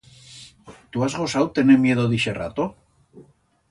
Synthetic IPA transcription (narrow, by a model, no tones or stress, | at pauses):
t̪uazɣo̞sawt̪e̞neɾmje̞ð̞oðiʃera̰t̪o